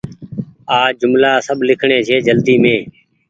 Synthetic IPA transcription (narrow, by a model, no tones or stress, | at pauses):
aːd͡ʒʊmlaːsəbʱlɪkʰɳẽːt͡ʃʰeːd͡ʒəld̪iːmẽː